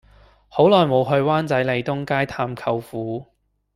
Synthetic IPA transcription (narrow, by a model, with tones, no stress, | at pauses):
ho˨˥wlɔː˨˩jmo˨˧wɦɵ˧ɥwaː˥nt͡sɐ˨˥jle˨˧jt̪ʊ˥ŋkaː˥jt̪ʰaː˧mkʰɐ˧wfuː˨˥